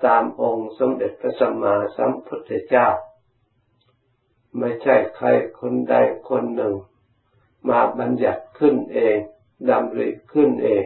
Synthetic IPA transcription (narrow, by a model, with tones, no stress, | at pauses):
t̪aː˨˦mʔo˧ŋso˨˧˦mde˨˩t̪̚pʰa˧sa˧maː˧˦sa˨˧˦mpʰu˧˥t̪̚ʰːa˧t͡ɕaː˥˩k̚ | ma˧˩jt͡ɕʰa˧˩jkʰa˧˩jkʰo˧˥˨nda˧˩jkʰo˧˥nːɯ˨˩ŋ | maː˧ba˧nja˨˩t̪̚kʰɯ˧˥˩nʔeː˨˧ŋ | da˧mli˧˥kʰɯ˧˥˩nʔeː˨˧ŋ